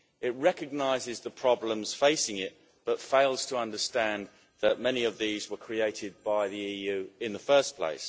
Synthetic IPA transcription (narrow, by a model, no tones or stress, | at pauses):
ɪʔ̚ɹɛkɨɡ̚naɪzɪzðəpʰɹ̥ɒblə̃mz̥feɪsɪ̃ŋɪʔ̚ | b̥ʌtfeɪlˠz̥tʰəʌ̃ndə˞stæ̃n | ðəʔ̚mɛñiəvðiːzwəkʰɹ̥ieɪtɪd̚baɪðiiːjʉːɪ̃nðəfɜˑ˞spʰl̥ḛɪs